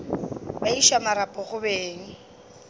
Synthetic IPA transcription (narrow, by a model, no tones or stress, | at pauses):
baiʃamaɾapʼɔχʊbeːŋ̩